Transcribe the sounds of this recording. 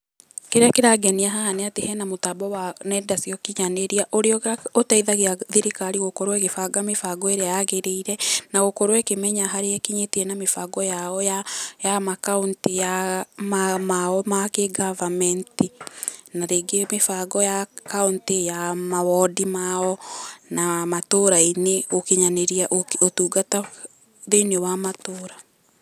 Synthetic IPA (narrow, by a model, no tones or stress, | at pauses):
keɾeakeɾaɡɛniaɦaneatehɛnamotabɔwanɛːdasiɔkiɲaneɾiaʔoɾeɔotaiðaɣeaðiɾikaɾiɣokoɾwɛɣefaɡamefaɡɔeɾeajaɣeɾeiɾɛnaɣokoɾwɛkemɛɲaɦaɾeɛkiɲetiɛnamefaɡɔjaɔjajamakauntijamamaɔmakeɡavamɛntinaɾeːɡemefaɡɔjakauntejamawɔdimaɔnamatoːɾaineokeɲaneɾiaʔootuːɡata | ðenewamatoːɾa